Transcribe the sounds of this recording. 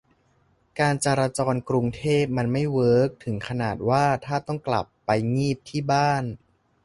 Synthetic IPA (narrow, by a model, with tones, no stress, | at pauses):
kaː˧nt͡ɕaː˧ɾaː˧t͡ɕɔː˧nkɾu˧ŋt̪ʰeː˥˩p̚ma˧nma˥˩jwɤː˦˥k̚t̪ʰɯ˩˦ŋkʰa˧naː˨˩t̪̚waː˥˩t̪ʰaː˥˩t̪ɔ˥˩ŋkla̰˨˩pːa˧jŋiː˥˩p̚t̪ʰiː˥˩baː˥˩n